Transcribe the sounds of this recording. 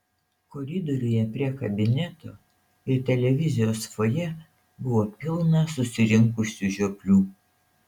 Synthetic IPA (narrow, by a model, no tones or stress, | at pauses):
kɔɾʲɪd̪ɔɾʲʊjɛpʲɾʲiɛkɐbʲɪnʲɛt̪o̰ː | ɪɾt̪ʲɛlʲɛʋʲɪzʲɪjoːsfojɛ | bʊʋoːpʲɪlˠnɐsʊsʲɪɾʲɪŋkʊsʲuʒʲopʲlʲuː